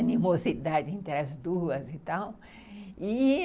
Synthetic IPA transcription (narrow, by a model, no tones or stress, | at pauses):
nimozid̪ad͡ʒẽnt̪ɾɐzd̪uɐzit̪aw | i